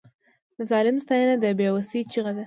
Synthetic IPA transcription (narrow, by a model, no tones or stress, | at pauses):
d̪̥əzɑlɪmst̪ɑjanad̪əbewasit͡ʃiɣad̪a